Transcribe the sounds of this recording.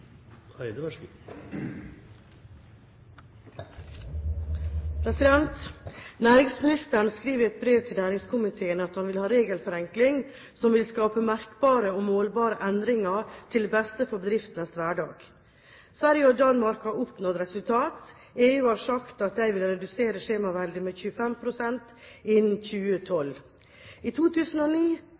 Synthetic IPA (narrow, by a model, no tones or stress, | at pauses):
pʰɾɛsɪd̪ɛnt̪næːɾɪŋsmɪnɪst̪əəɳəskɾiːʋəɾɛt̪̚bɾeːʋt̪ʰɪlnæːɾɪŋskʰʊmɪt̪ʰeːənəɑt̪hɑnʋɪlhɑːɾeːɡəlfɔɾɛŋklɪŋ | sɔmʋɪlskɑːpəmæɾkbɑːɾəomoːlbɑːɾəʔɛnd̪ɾɪŋɑt̪ʰɪld̪ɛbɛst̪əfɔbəd̪ɾɪft̪ənəsʋæːɖɑ̰ːɡ̥ | sʋæɾjəɔd̪ɑnmɑɾkhɑɾɔpnɔt̪ɾɛsʉlt̪ʰɑːt̪ | eːʉːhɑːɾʂɑkt̪ɑt̪̚d̪æɪʋɪlɾɛd̪ʉseːɾəʂeːmɑʋæld̪ɪəmeçʉːəfɛmpʰɾʊsɛnt̪ | ɪnːn̩c͡çʉːət̪ʰɔl | it̪ʰuːt̪ʰʉːsn̩oniː